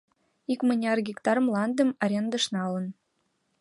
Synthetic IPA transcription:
ikmə̆nʲɑrɡʲikt̪ɑɾɤ̆mlˠɑnd̪ə̆mɑɾʲend̪ɤ̆ʃnɑlɤ̆n

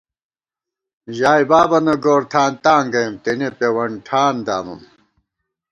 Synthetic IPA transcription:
ʑaːibaːbɐnɐɡoːɾt̪ʰaːnt̪aːŋɡɐjɐmt̪enepewɐɳʈʰaːnd̪a̰ːmɐ̰m

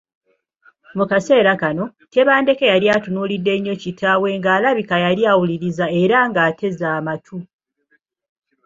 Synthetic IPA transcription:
mukase̞ːɾakano̞te̞βaːnde̞kejaɾiatunuːlidːe̞ɲːo̞citʰawe̞ŋɡaːlaβikajaliawuliɾizae̞ɾaŋɡaːte̞zaːmatʰu

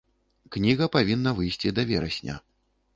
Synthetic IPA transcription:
knʲiɣɐpavʲinːɐvɨjsʲt͡sʲid̪ɐvʲɛɾɐsʲnʲɐ̰

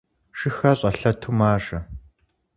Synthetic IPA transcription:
ʃɨxɐɕʼɐɬɐtʰumaːʂɐ

